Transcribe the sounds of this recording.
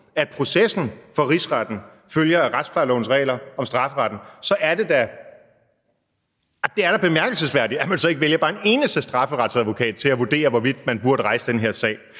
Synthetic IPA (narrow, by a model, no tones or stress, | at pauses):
æd̥̚pʰʁo̝sesn̩fɒ̽ʁisʁɑd̥n̩ | føljɐæʁad̥spʰlɑ̈ɪlɔ̰ːn̩sʁɛ̰ːlɐɒ̽msd̥ʁɑ̈fəʁɑd̥n̩sɒ̽ʔæɐde̝d̥æ | d̥e̝æɐɾ̥ɑ̈b̥e̝mæɐɡ̥l̩səsʋæɐdiæmænsɒ̽e̝ɡ̥əʋeljɐb̥ɑːene̝ːnəsd̥əsd̥ʁɑ̈fəʁɑ̈d̥sæðˠʋo̝kʰɛ̰ːd̥̚t͡sʰe̝læʋuɐd̥e̝̰ːɐʋɒʋid̥̚mænb̥uɐɾ̥əʁɑ̈ɪsəd̥enɦeɐ̰sɛ̰ːɪ